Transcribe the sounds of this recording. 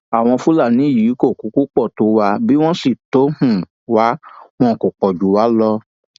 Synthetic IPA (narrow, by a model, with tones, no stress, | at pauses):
a˨w̃ɔ̃˧fu˦la˦˨nĩ˨˦˨jiː˨˦ko˦˨ku˨˦ku˦k͡pɔ˦˨to˨˦wa˧bi˦w̃ɔ̃˦si˦˨to˨˦hũ˦˨ | wa˦w̃ɔ̃˧˦˨ko˨k͡pɔ˨d͡ʒu˨˦wa˨˦lɔ˦